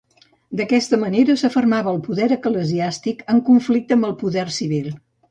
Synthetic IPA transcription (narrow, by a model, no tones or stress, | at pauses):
d̪əkɛst̪əməneɾəsəfərmaβəːlˠpuðɛɾəkləziast̪ikəŋkuɱflik̚t̪əmbəlˠpuðɛrsiβ̞ilˠ